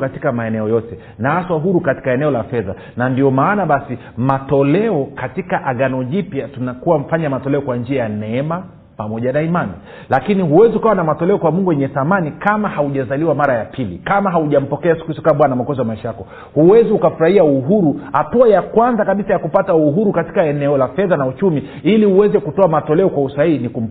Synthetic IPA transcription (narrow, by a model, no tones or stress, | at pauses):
kati̥kamaɛnɛɔjɔtɛ | naaswaɦuɾukati̥kaɛnɛɔlafɛða̰ | nandiɔmaːnaɓasi | matɔlɛɔkatikaʔaɠanɔʄipjatunakuwam̩faɲamatɔlɛɔkwand͡ʒiajanɛɛma | pamɔʄanaimani | lakiniɦuwɛziukawanamatɔlɛɔkwamuŋɡuwjɛɲɛθamanikamahauʄazaliwamaɾajapʰilḭkamaɦauʄam̩pɔkɛasi̥kuhisu̥kaɓwanamakɔziamaiʃajakɔ | huwɛziukafuɾahiauɦuɾuhatuajakwanzakaɓisajakupatauɦuɾukati̥kaɛnɛɔlafɛðanaut͡ʃumi | iliuwɛzɛkutɔamatɔlɛɔkwausahiinikum̩